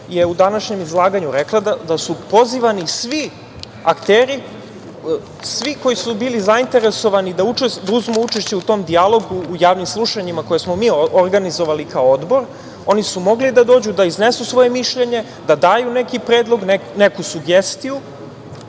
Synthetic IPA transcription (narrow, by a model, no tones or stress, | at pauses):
jeud̪anaʃɲe̞mizlˠaːɡaɲuɾeklˠad̪ad̪asupo̞ziʋanisʋi | akt̪eːɾi | sʋiko̞jisubiːlizaint̪e̞ɾe̞so̞ʋanid̪aut͡ʃed̪auzmuut͡ʃeʃt͡ɕeut̪o̞md̪ialˠo̞ɡuːjaːʋnimslˠuʃaɲimako̞jesmo̞miːoɾɡanizo̞ʋalikaood̪bo̞ɾ | o̞nisumo̞ɡlid̪ad̪o̞ːd͡ʑud̪aiznesusʋo̞je̞miʃʎe̞ɲe̞ | d̪ad̪aːjune̞kipɾeːd̪lˠo̞ɡnenekusuɡest̪iju